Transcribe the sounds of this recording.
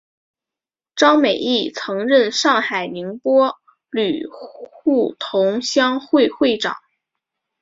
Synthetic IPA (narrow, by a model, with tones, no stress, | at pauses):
ʈ͡ʂɑ˥ŋme˨˩ɪi˥˩t͡sʰɤ˧˥ŋɻə˥˧nʂɑ˥˩ŋxa˨˩ɪni˧˥ŋpwɔ˥ | ly˨˩xu˥˩t̪ʰʊ˧˥ŋɕjɑ˥ŋxwe˥˧ɪxwe˥˩ɪʈ͡ʂɑ̰˨˩˦ŋ